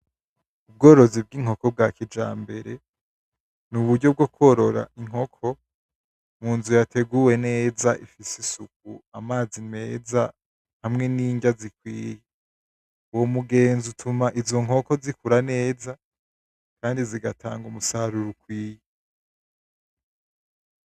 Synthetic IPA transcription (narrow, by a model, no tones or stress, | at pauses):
ub̚ɡo̞ːɾo̞zib̚ɡiːŋ̥ho̞ko̞b̚ɡakid͡ʒaːmbe̞ɾe̞ | nuβudɟo̞b̚ɡo̞ko̞ɾo̞ɾa̰ʔiŋ̥ho̞kʰo̞ | muːnzujatʰe̞ɡuwe̞ne̞ːzaʔifisisuk̚uamaːzine̞ːza | hamŋe̞niːɲɟazikwḭːje | uwomuɡe̞ːnzutʰumaʔizo̞ŋ̥ɦo̞ko̞zikuɾane̞ːza | kaːndiziɡatʰa̰ːŋɡumusaɾuɾukwiːje